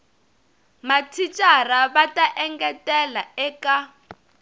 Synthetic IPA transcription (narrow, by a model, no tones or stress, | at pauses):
matʰit͡ʃʼaraβatʼaʔɛŋɡɛtʼɛlaɛka